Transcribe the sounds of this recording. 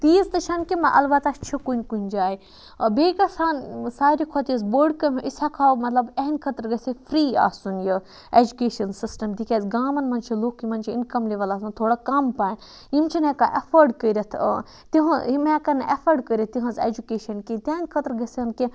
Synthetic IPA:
t̪iːzt̪ɐʃʰɐnkimɐʔɐ̰lbɐt̪ast͡ʃʰikunʲkunʲd͡ʒaːi | beːkɐsaːnsaːɾʲikʰɔt̪jɐsbəɖkɐmʲʔisakʰaːwmɐt̪lɐbeɦnʲkʰɐt̪ɾɡɐsefʰɾiːa̰ːsunjə | ed͡ʒukeːʃɐnsisʈɐmd̪ikʰʲeːzɡaːmɐnmɐnt͡ʃʰiloːkːimɐnʲt͡ʃʰiḭnkɐmleʋɐlaːsɐnt̪ʰoːɽakɐmpaːn | imt͡ʃʰinekaʔɐfʰɐɾɖkəɾʲɐt̪ʰ | t̪iɦɐ̃imẽkɐnʔɐfʰɐɾɖkəɾʲɐt̪̚t̪iɦɐ̃zḛd͡ʒukeːʃɐnkit̪ʲenʲkʰɐt̪ɾɡɐsɐnki

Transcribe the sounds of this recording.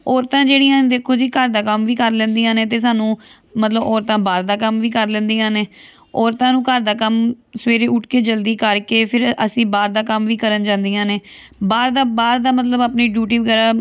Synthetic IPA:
ɔːɾt̪ãːd͡ʒeːɽiːãːd̪eːkʰoːd͡ʒiːkəɾd̪aːkəmʋiːkəɾlɛ̃ːnd̪iːãːneːt̪eːs̬aːnũː | mət̪ləbɔːɾt̪ãːbaːɾd̪aːkəmʋiːkəɾlɛ̃ːnd̪iːãːneː | ɔːɾt̪ãːnũːkəɾd̪aːkəmsəʋeːɾeːʊʈkeːd͡ʒəld̪iːkəɾkeːpʰɪɾʔəsĩːbaːɾd̪aːkəmʋiːkəɾənd͡ʒãːnd̪ijãːneː | baːɾd̪aːbaːɾd̪aːmət̪̬ləbaːpniːɖjuːʈiːʋəɡɛːɾaː

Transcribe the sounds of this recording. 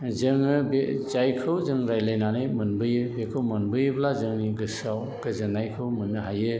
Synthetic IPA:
zɯŋɯbezajkʰɯwzɯŋɾajlajnanɯjmɯnbɯjɯbekʰɯwmɯnbɯjɯblazɯŋniɡɯsaw | ɡɯzɯnajkʰɯwmɯnɯɦajɯ

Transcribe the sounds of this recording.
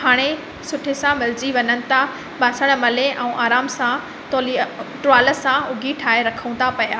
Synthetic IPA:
ɦaːɽ̃e | sʊʈʰesãmɪld͡ʑiʋɐɲənɪ̆t̪ʰa | ɓaːsəɽ̃̆mɐleʔɛ̃ũʔaːɾaːmsã | t̪oːliʈɾaːlə̆sãʊɡʱiʈʰaːeɾɐkʰəũnt̪apɐjaː

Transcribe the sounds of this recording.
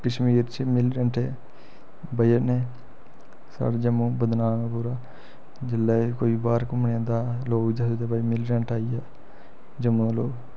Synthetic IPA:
kəʃmiːɾt͡ʃəmɪlʈəɳʈeː | bəjəneː | sa̰ːɽed͡ʒəmũːbəd̪naːnõːpuːɾaː | d͡ʒɪlːeːkoːiːbaːɾkʊmɳãːd̪aːloːɡd͡ʒasut̪eːbaːimɪlʈəɳʈaːijaː | d͡ʒəmũːloːɡ

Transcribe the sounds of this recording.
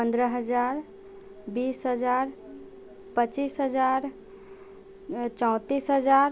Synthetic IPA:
pə̃nd̪ɾəɦəd͡ʒaɾ | bisɦəd͡ʒaɾ | pət͡ʃisɦəd͡ʒaɾ | t͡ʃɔ̃ʊ̃t̪isɦəd͡ʒaɾ

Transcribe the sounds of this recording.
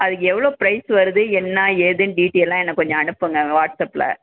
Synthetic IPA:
ɐðɯkːɛʋːɐɭoːpɪɾɐɪsʋɐɾɯðɯɛnːaːeːðɯnɖiːʈːijɛlːãːɛnːɐkːɔɲd͡ʒɔ̃ɐnɯpːɯŋɡɐʋaːʈsɐpːlɐ̰

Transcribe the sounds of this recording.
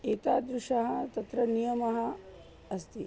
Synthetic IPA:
eːt̪aːd̪ɾuʂɐɦɐt̪ɐt̪ɾɐnijɐmɐɦɐ | ɐst̪i

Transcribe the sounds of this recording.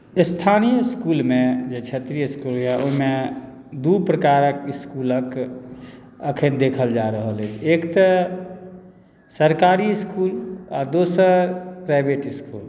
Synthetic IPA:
st̪ʰanijəskulmẽd͡ʒet͡ʃʰət̪ɾijəskulɦɛʔo̰ɦme | d̪upɾəkaɾəkiskulək | əkʰənd̪ekʰəld͡ʒaɾəɦəlet͡ʃʰekt̪ə | səɾkaɾiskula̰d̪osəɾpɾaɪbʱeʈiskul

